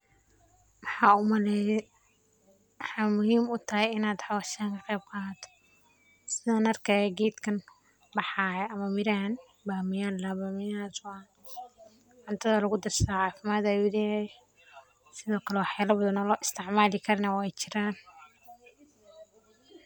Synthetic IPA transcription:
wħɑːʊmlɛ | mħaːmʊhiːmʊt̪ʰɐɦɛjɪnaːd̪ħɑwaʃaŋkʰɐqɛːb̚kʰaːt̪ʰɔ̥ | sɪðɐnɐrkʰajɡɛːd̪kʰɐn | bɑħaːjɛʔɐmɐmɪɾaːn | baːmɪjaːllɐbaːmɪjaswaːn | ʕʊnt̪ʰɐðɐlɐɣʊd̪ɐrsaʕaːfɪmaːd̪awɪðɛjɛ | sɪðɔːkʰɐlɛwħjaːlɐbɐðɐnɔːlɔːʔɪst̪ʰɪʕmaːlɪkʰɐɾnɐwɛjt͡ʃɪɾaːn

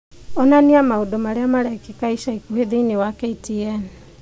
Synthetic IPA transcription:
ɔnaniamaodɔmaɾeamaɾɛkikaiʃaikuheðeinewakɛitiɛn

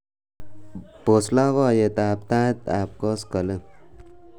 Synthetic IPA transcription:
boslaʋajet̪aːp̚t̪at̪ap̚kɔskələ

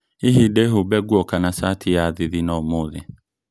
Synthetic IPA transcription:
iɦideɦobɛɡwɔkanasatʰijaðɪðinɔmoðɛ

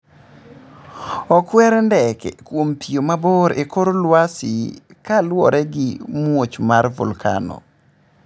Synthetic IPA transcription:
ɔkwɛɾndɛkɛ̰kwompʰijomaboɾekoɾolwasi | kalwɔɾɛɡimwot͡ʃmaɾvṵlkʰa̰nɔ̰

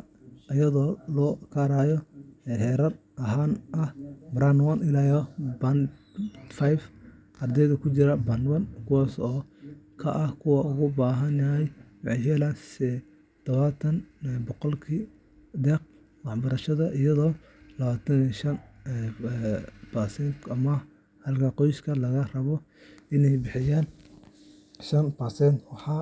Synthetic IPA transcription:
ɐjɐðɔːlɔːkʰaɾaːjɔɛħɛːɾɐr | ʔɐɦaːnʔɐhbɾanwɐnɪlajɔban | fajf | ʔɐrd̪ɛjðɐkʰʊt͡ʃɪɾɐbɐnwɐnkʰʊwaːsɔːkʰɐʔɐhkʰʊwɐʊɣʊbaːɦɐnjɐɦɛjwɑʕɑjhɛlaːnsɛ | d̪̥ɐβaːt̪ʰɐnbɔqɔlkʰi | d̪ɛːq̚ | wɑħbɐɾɐʃɐðɐʔɪjɐðɔː | lɐβaːt̪ʰɐniʃɐn | bɐsɛnt̪ɐmɐ | hɐlkʰɐqɔjskʰɐlɐɣɐrɐβɔ | ɪnɛjbɪħɪjaːn | ʃɐnpɐsɛnt̪wɑħɑː

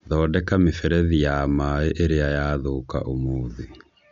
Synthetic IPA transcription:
ðɔːdɛkamefɛɾɛðijamaeʔeɾeajaðoka̰ʔomoːði

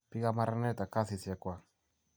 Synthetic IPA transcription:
piɣamaɾanaet̪akasisiakoa

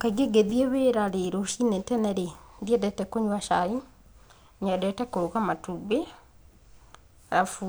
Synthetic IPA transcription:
kaɡeɡeðieβeɾaɾeɾoʃinɛtɛnɛɾeðiɛdɛtɛkoɲwaʃai | ɲɛdɛtɛkouɣamatube | ɾafu

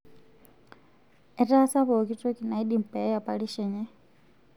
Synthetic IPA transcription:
ɛtasaβɔkitɔkinaiɗim̩pɛapaliʃɛɲɛ

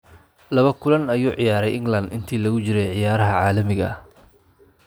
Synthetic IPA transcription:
lɐβɐkʰʊlɐnɐjuːʕɪjaːɾɛjʔɪŋɡlɐnd̪ɪnt̪ʰiːlɐɣʊt͡ʃɪɾɛjʕɪjaːɾɐɦɐʕaːlɐmɪɣɐ̰

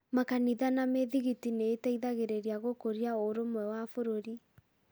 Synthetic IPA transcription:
makaniðanameðiɣitineːtaiðaɣeɾeɾiaɣokoɾiaoɾomwɛwafoɾoɾi

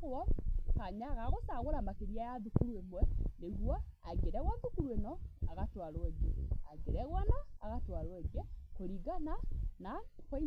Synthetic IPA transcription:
ɔkaɲaɣaɣosaɣoɾamakeɾiajaðukuɾuemwɛneɣwa | aɡeɾɛɣwaðukuɾuenɔaɣatwaɾoɛɡɛaɡeɾɛɣwanaaɣatwaɾoɛɡɛkoɾiɡananakwai

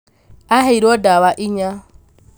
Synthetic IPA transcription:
aɦɛiɾɔdawaʔiɲa

